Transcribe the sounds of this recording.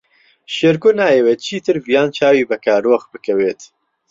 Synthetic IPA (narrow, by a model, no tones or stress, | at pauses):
ʃeːɾkonaːjewet͡ʃʰiːt̪ʰɨɾvijaːnt͡ʃʰaːwiːbɛkʰaːɾoːxbɨkɛweːt̪